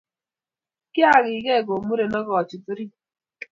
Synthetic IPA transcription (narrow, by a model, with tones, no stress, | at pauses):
kɪ˦a˦˨ɣɪ˨ɡe˦˨ɡo˨mu˦ɾe˨nɔ˦ɣɔ˨t͡ʃi˨tu˦ɾi˦